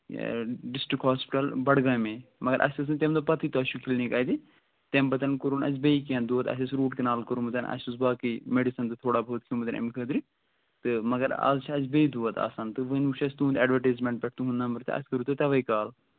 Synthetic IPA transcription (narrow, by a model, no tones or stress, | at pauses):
ɖisʈɾikɦaːspi̥ʈɐlbɐɽɡaːmẽmɐɡɐɾʔɐ̰sʲt̪ɨs̬ɨnt̪emd̪opɐt̪ʰit̪oɐʃukʰilnikaːjd̪i | t̪embɐt̪ɐnkuɾuːnɐ̰zbeikiɐ̃nd̪uʋɐt̪ɐ̰sʲɐsɾuːʈkinaːlkɐɾumɨt̪ɐnɐ̰sʲusbaːkimeɖisɐnt̪ɨt̪ʰoːɽaːbʱoːt̪̚kʰjũːmɨt̪ɐnɐ̰mkʰəd̪ɾi | t̪ɨmɐɡɐɾa̰ːzt͡ʃʰɐzbeid̪uʋɐt̪a̰ːsaːnt̪ɨʋɨnuʃɐsʲt̪ũːnd̪ɛːɖʋɐɾʈeːzmẽɳʈ̚bʲɛʈʰt̪ũɦund̪aːmbɐɾt̪ɐ̰ɐ̰sʲkɐɾuːt̪ɨt̪ɐʋɐikaːl